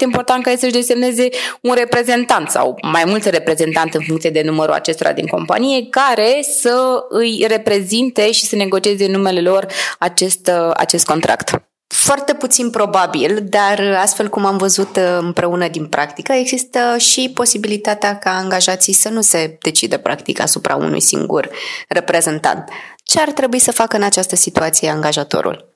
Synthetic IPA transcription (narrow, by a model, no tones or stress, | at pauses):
t̪eimpo̞rt̪ant̪kajesəʒd̪e̞semne̞ze̞unre̞pɾe̞ze̞nt̪ant̪sa̰wmajmult̪re̞pɾe̞ze̞nt̪ant̪ɨnfuŋkt̪ied̪e̞numəɾṵa̰t͡ʃe̞st̪o̞ɾa̰d̪ḭŋko̞mpa̰nije̞kaɾe̞səɨjre̞pɾe̞zint̪e̞ʃisəne̞ɡo̞t͡ʃie̞ze̞ɨnːume̞le̞lo̞rat͡ʃe̞st̪a̰t͡ʃe̞st̪̚ko̞nt̪ɾʔa̰kt̪ | foart̪e̞put̪sinpɾo̞babild̪arast̪fe̞lkumamvəzut̪ɨmpɾe̞unəd̪inpɾʔakt̪ikəe̞ɡzist̪əʃipo̞sibilit̪at̪eakaːŋɡaʒat̪sijsənuse̞d̪e̞t͡ʃid̪əpɾa̰kt̪ika̰supɾa̰ṵnṵjsḭŋɡṵrre̞pɾe̞ze̞nt̪a̰nt̪ | t͡ʃe̞art̪ɾe̞buisəfakəɨnat͡ʃast̪əsit̪uat̪sije̞aŋɡaʒat̪o̰ɾṵl